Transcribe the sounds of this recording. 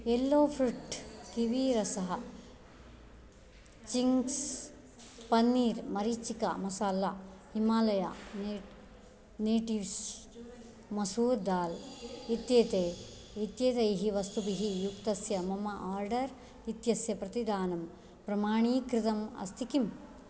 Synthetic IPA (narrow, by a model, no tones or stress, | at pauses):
elːoːpʰɾuʈkiʋiːɾɐsɐɦɐ | t͡ʃiŋs | pɐnːiːɾmɐɾit͡ʃikɐ̰mɐsaːlːɐhimaːlɐja̰ne | neːʈiʋs | mɐsuːɾd̪aːlit̪jeːt̪eː | it̪jeːt̪ɐjɦiʋɐst̪ubiɦijukt̪ɐsjɐmɐmɐʔaːɾɖɐɾ | it̪jɐsjɐpɾɐt̪id̪aːnɐm | pɾɐmaːɳiːkɾit̪ɐmɐ̰st̪ʰikim